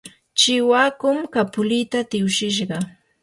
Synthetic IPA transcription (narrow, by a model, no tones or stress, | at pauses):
t͡ʃɪwaːkʊmkapʊlɪt̪at̪ɪʊʃɪʃ̬ɢɑ